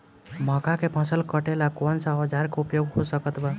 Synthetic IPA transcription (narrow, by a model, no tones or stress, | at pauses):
mə̃kakepʰə̃səlkəʈelakɔnsaɦəd͡ʒaɾkoupjoɡɦosəkət̪ba